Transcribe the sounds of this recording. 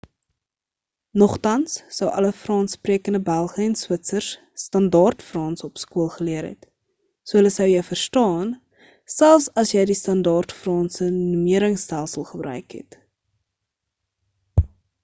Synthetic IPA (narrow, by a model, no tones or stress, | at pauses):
nɔχtɐnssəwʔɐ̰ləfrɑːnspriəkəndəbælˠχəɛnswətsərsː | tɐndɑːrtfrɑːnsɔpskuəlˠχəliəɾɛ̰t | suəɦələsəwjəɥfərstɑːn | sælˠfsɐsjəjdistɐndɑːrtfrɑːnsənumiəɾəŋstælˠsəlˠχəbɾœ̰ɥkɦɛ̰t